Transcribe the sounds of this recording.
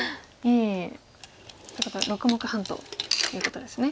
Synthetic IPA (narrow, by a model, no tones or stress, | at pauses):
iː | sokot̪o̰ɾo̞kɯ̟mo̞kɯ̟hãnt̪o̞̰ːjɯ̟ːko̞t̪o̞d̪e̞sɨne̞